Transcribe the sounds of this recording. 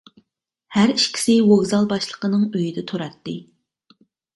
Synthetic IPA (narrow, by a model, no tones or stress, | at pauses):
hæɾiʃkʲʰi̥sɪwoɣzɑlˠbɑʃlˠə̥qənɨŋøjid̪ɛt̪ʰoɾɑt̪ːɨ